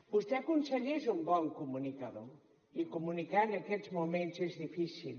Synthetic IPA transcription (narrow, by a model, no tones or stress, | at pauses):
bust̪ekunseʎezumbɔŋkumunikɐðo | ikumunikaenɐkɛt̪zmumẽnt̪sezðifisil